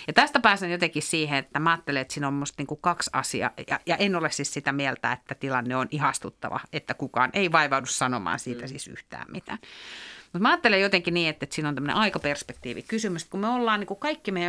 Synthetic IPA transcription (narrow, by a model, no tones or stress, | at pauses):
jɑt̪æst̪ɑpæːsenjot̪eŋkissiːheet̪ːæmæɑːt̪ːeleet̪siːnomːust̪niːŋkukɑksɑ̰siɑ̰jɑ̰jɑʔenolessissit̪æmiɛlt̪æ̰et̪ːæt̪ilɑnːeonʔihɑst̪ut̪ːɑ̰ʋɑ̰et̪ːækukɑ̰ːnʔeiʋɑiʋɑudussɑnomɑ̰ːnsiːt̪æsisy̰ht̪æ̰ːmmit̪æ̰ːnmut̪mæɑːt̪ːelejot̪eŋkiniːet̪ːet̪siːnonæmːnḛʔɑikɑperspekt̪iːʋḭkysymyst̪kumeolːɑːniːŋkukɑikːimeiæ